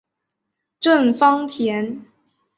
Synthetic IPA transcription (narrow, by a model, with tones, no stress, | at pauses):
ʈ͡ʂwə˥˩nfɑ˥ŋt̪ʰjɛ˧˥n